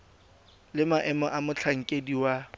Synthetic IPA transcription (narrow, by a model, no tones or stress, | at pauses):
lɪmaʔɛmɔʔamʊt͡ɬʰaŋ̩kʼediwa